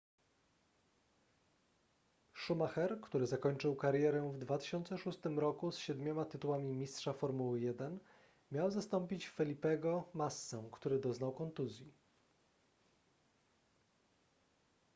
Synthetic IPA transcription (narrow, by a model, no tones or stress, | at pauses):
ʂumaxɛɾkt̪uɾɘzakɔɲt͡ʂɘwkaɾjɛɾɛvd̪vat̪ɘ̥ɕɔnt̪sɛʂust̪ɘmɾɔkusɕɛd̪mʲɔmat̪ɘt̪uwamʲimʲistʂafɔɾmuwɘjɛd̪ɛn | mʲjawzast̪ɔmpʲit͡ɕfɛlʲipɛɡɔmasːɛw̃kt̪uɾɘd̪ɔznawkɔnt̪uzʲji